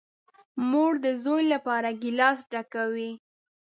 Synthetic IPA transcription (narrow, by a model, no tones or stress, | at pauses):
moɽd̪əzojlapɑɾaɡɪlɑsɖakawi